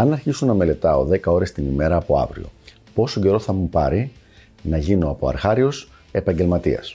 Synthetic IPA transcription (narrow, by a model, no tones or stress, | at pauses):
ɐnɐɾçisonɐme̞le̞t̪ɐo̞ðe̞kɐo̞ɾe̞st̪inime̞ɾɐːpo̞ɐ̰vɾḭo̞̰ | po̞soɟe̞ɾo̞θɐmupɐɾi | nɐʝino̞ɐpo̞ɐ̰ɾxɐɾio̞s | e̞pɐɲɟe̞lmɐt̪iɐ̰s